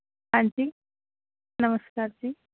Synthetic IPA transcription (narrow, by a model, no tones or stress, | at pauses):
aɳti | nɐmɐskaːɾt͡ʃi